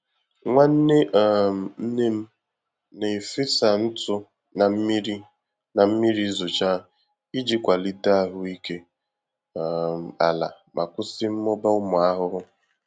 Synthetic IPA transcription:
ŋʷa˦n̩˦ne˦ʔm̩˨n̩˦ne˦m̩˦ | ne˨fɪ˦sa˨n̩˦tʊ˦ | na˨m̩˦mi˦ɾi˦ | na˨m̩˦mi˦ɾi˦zʊ˨t͡ʃa˦ | i˦d͡ʒi˦kʷa˨li˦da˦˨ɦʊ˦˨i˦ke˦ | m̩˨a̰˨la̰˨ | mʔa˨kʷʊ˦sɪ˦m̩˦mɔ˦ba˦ʊ˦mʊ˨a˦ɦʊ˦ɾʊ˦

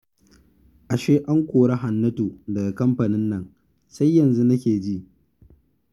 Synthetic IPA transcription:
ʔa˨ʃeː˦ʔa˦ŋkʷoː˨ɽa˦ɦa˨nːɐ˦toː˨dɐ˨ɡa˨kɐ˦mɸa˨nɪ˦nːɐ˨ŋ | sa˦jːɐ˨nzu˦nɐ˦kʲeː˨d͡ʒi˦ʔ

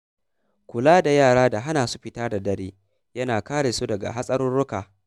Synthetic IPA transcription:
kʷʊ˨laː˦da˨jaː˦˨ɽaː˦da˨ɦa˦naː˨su̥˦ɸɪ˨taː˦da˨dɐ˦ɽeː˦ | jɐ˦naː˨kaː˦ɽeː˨su˦dɐ˨ɡa̰˨ɦa˦sʼɐ˦ɾʊ˦nɽʊ˦kaː˨

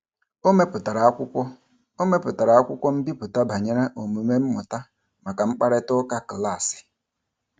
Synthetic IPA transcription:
o˦me˦pʊ˨ta˨ɾa˨˦kʷʊ˦kʷɔ˦ | o˦me˦pʊ˨ta˨ɾa˨a˦kʷʊ˦kʷɔ˦m̩˦bi˦pʊ˨ta˦bʱa˨ɲe˦ɾa˦ʔo˨mu˨me˦m̩˦mʊ˨ta˦ | ma˨ka˨ŋ͡m̩˦k͡pa˦ɾe˦tʊ˦ka˦kla˦˨sɪ̥˨

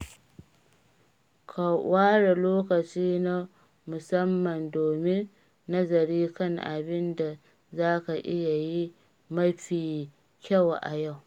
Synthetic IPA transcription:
kʰa˨wʔaː˦ɽa˨loː˦kɐ˨t͡ʃiː˦na˦ | mʊ˨sɐ˦mːɐ˨ndoː˨mɪ˦nː | ɐ˦zɐ˨ɾiː˦kɐ˦˨ŋʔa˨bɪ˦nda˨ | zaː˦ka˨ʔɪ˦ja˨ji˦ | mɐ˦ɸiː˨ | kʲɐ˦˨wʔa̰˨ja˦˨w

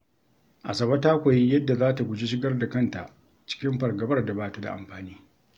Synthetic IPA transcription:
ʔa̰˨sɐ˨bɐ˦taː˦kʷa˨ji˦jɐ˦dːa˨zaː˦ta˨ɡʷʊ˨d͡ʒi˦ʃ̬ɪ˦ɡɐ˦rda˨kɐ˦˨nta̰˨ʔ | t͡ʃɪ̥˦kʲɪ˦mɸɐ˨rɡɐ˨bɐ˦rda˨baː˦tu˦da̰˨ʔa̰˨mɸaː˨niː˦

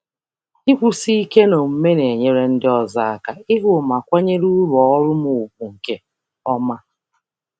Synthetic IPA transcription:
i˦kʷu˦si˦i˦ke˦no˨m̩˦me˦ne˨ɲe˦ɾe˦n̩˦dɪ˦ɔ˦za˦a˨ka˨ɪ˦ɦʊ˨ma˨kʷa˦ɲe˦ɾu˦ɾɔ˨˦ɔ˦ɾʊ˦mʊ˨u˨k̚ʷu˨ŋ̩˨ke˦ | ɔ˦ma˦

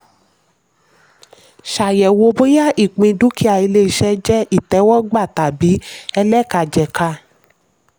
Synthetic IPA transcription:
ʃa˨jɛ˨wo˧bo˦ja˦˨ʔi˦˨k͡pĩ˧du˨˦kʰi˦a˧˨i˧le˦i˧ʃɛ˦d͡ʒɛ˦i˦˨tɛ˨˦wɔ˦ɡ͡ba˦˨ta˨bi˨˦ɛ˧lɛ˦˨ka˧˨d͡ʒɛ˨ka˧

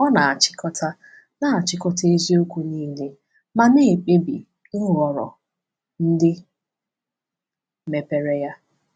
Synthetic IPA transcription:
ɔ˦na˨a˨t͡ʃɪ̥˦kɔ˦tʰa˦ | na˦a˨t͡ʃɪ˦kɔ˦ta˦e˦zi˦o˦kʷu˦niː˦le˦ | ma˨ne˦˨k͡pe˦bi˨ | n̩˦ɾɔ˨ɾɔ̰˨ | n̩˦dɪ˦ | me˨pe˨ɾe˦ja˦

